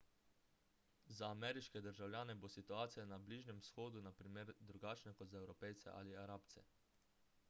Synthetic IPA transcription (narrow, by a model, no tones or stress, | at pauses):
zaːmɛːɾiʃkɛd̪əɾʒawlʲjaːnɛbosit̪uaːt̪sijanabliʒnjɛmsxoːd̪unapɾimeɾd̪ɾuɡaːt͡ʃnɛkɔt̪zaɛwɾɔpɛjt̪sɛ̰ʔa̰ːliaɾaːpt̪sɛ̰